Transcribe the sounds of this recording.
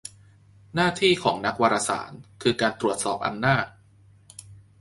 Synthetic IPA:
naː˥˩t̪ʰiː˥˩kʰɔː˩˦ŋna˦˥k̚waː˧ɾa˧sa̰ː˩˦nkʰɯː˧kaː˧nt̪ɾu˨˩ət̪̚sɔː˨˩p̚ʔa̰˧nːaː˥˩t̚

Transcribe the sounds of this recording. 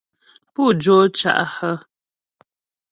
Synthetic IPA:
pu˦˨d͡ʒo˦t͡ʃa̰˨ʔhə˦

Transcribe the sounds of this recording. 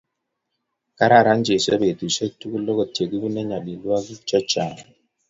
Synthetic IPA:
ka˦ɾa˨ɾa˦n˦d͡ʒe˨sɔ̰˦be˨tu˨sɔ˦tu˦ku˦lɔ˦ɡɔ˨te˨ɡu˦bu˦nɛ˦ɲa˨ɗi˨lu˦a˦ɡi˦t͡ʃɔ˦t͡ʃa˨ŋ˨

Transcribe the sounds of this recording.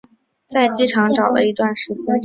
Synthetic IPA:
t͡sa˥˩ɪt͡ɕi˥ʈ͡ʂʰɑ˧˥ŋʈ͡ʂɑ˨˩ʊlə̰˦i˧˥t̪wa˥˩nʂɻ̩˧˥t͡ɕjɛ˥n

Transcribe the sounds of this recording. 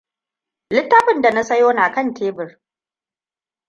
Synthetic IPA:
lɪ˦tːa˦ɸɪ˨nda˨na˦sɐ˦joː˦naː˨kɐ˦˨nteː˦bɪ˨r

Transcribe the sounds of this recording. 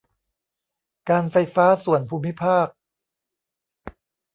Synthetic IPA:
kaː˧nfa˧jfaː˦˥su˨˩ənpʰuː˧mːi˦˥pʰaː˥˩k̚

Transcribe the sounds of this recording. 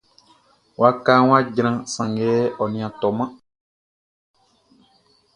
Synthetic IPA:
wa˦kaː˦ŋw̃a˦ɟɾ̃ã˦sã˨ŋɡɛ˦ɔ˨nĩ˨ã˨t̪ɔ˨mã˦

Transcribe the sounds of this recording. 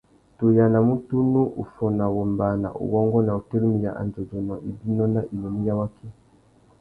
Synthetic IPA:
tu˨ja˨na˨mu˦tu˦nu˦ʔu˨fɔ˨na˨wɔ˨mba˨na̰˨ʔṵ˨wɔ˦ŋɡɔ˦na˨u˨te˦ɾi˦mi˨ja˨ʔa̰˨nzɔ˨zu˨nɔ˨i˨bi˦nɔ˦na˦ʔi˨nɔ˨ni˦ja˦wa˦kʰi˦

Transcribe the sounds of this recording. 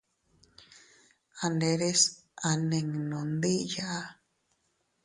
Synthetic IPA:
a˨nde˧ɾe˦sa˨nẽ˨ŋnõ˨nd̪i˦ja˨ʔa˦

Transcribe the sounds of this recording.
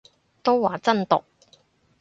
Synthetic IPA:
t̪o˥waː˨t͡sɐ˥nt̪ʊ˨k̚

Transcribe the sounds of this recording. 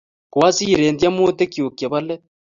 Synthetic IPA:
kwaː˦si˦˨ɾeː˨ndja˦mo˦t̪e˦kjo˨ke˨βa˦le˦

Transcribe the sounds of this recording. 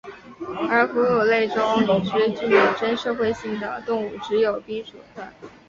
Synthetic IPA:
ə˞˧˥ku˧˥jo˨˩ʊle˥˩ɪʈ͡ʂo˥ʊ˨˩ʈ͡ʂɻ̩˥t͡ɕy˥˩jo˨˩ʈ͡ʂə˥nʂɤ˥˧xwe˥˧ɪɕi˥˩ŋd̪ə̰˩t̪ʊ˥˧ŋu˥˩ʈ͡ʂɻ̩˧˥jo˨˩ʊpi˥ŋʂu˨˩t̪wa˥˩n

